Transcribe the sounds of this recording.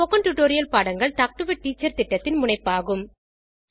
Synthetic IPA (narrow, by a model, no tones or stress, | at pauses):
ɔkɐɳʈuʈoːɾɪjɐlpaːɽɐŋɡɐɭʈaːk̚ʈɯʋɪʈ̚ːiːt͡ʃːɐɾt̪ɪʈːɐt̪ːɪnmʊɳɐɪpːaːɣɯm